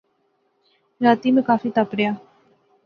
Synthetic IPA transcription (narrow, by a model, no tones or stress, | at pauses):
ɾaːt̪imẽkaːfiːt̪apɽɪjaː